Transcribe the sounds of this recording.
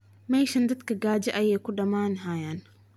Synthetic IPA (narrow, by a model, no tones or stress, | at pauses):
majʃɐnd̪ɐt̪kɐɡaːd͡ʒɐʔɐjɛːkʊɖɐmaːnɦajan